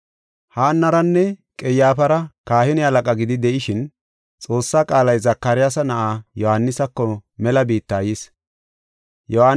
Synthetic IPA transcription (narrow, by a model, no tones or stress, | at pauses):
haːnːɐɾɐnːɛkʼɛjaːfɐɾɐkaːhɪnɪhɐlɐkʼɐɡɪd̪ɪd̪ɛʔɪʃɪn | t͡sʼo̞ːsːaːkʼaːlɐjzɐkːɐɾɪjaːsɐnɐʔaːjɔhaːnːɪsɐkːɔmɛlɐbiːt̪ːaːjɪs | jɔhaː